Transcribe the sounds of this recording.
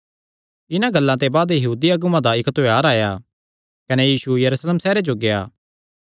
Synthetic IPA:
ɪnãɡɐlːãt̪ebaːd̪jɐɦuːd̪iɐɡumãd̪aɪkt̪ojaːɾaːja | kɐnejiːsujɐɾusleːmsɛːɾed͡ʒoɡejaː

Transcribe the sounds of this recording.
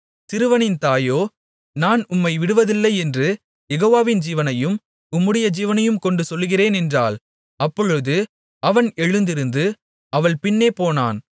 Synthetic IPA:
t̪ɪɾɯʋɐnɪnt̪aːjoː | naːnʊmːɐɪʋɪɽɯʋɐðɪlːɐɪɛndrɯ | jɛɣoːʋaːʋɪnd͡ʒiːʋɐnɐjɯm | ʊmːɯɽɪjɐd͡ʒiːʋɐnɐjɯmkɔɳɖɯsɔlːɯɣɪreːnɛndra̰ːl | ɐpːɔɻɯðɯ | ɐʋɐnɛɻɯnd̪ɪɾɯnd̪ɯ | ɐʋɐɭpɪnːeːpoːna̰ːn

